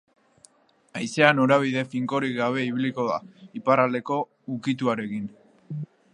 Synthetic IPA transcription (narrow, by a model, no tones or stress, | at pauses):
ajse̞anoɾaβ̞iðe̞fiŋko̞ɾiɡaβ̞e̞iβ̞iliko̞ða̰iparald̪e̞ko̞ | ukit̪uaɾe̞kin